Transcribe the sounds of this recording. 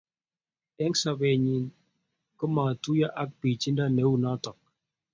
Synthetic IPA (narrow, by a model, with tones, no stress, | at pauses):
ɛ˦ŋsa˨βɛ˨ɲi˨n | kɔ˦ma˨tu˦ja˦ʔa˦k̚pi˨t͡ʃi˦nda˦nɛ˨˦u˦˨nɔ˦tɔ˨k̚